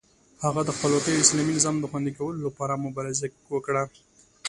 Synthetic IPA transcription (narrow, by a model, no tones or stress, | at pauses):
haɣad̪əxpəlwɑkəjoɪslɑminɪzɑmd̪əxwand̪ikawəlolapɑɾamʊbɑɾaza | wəkɽa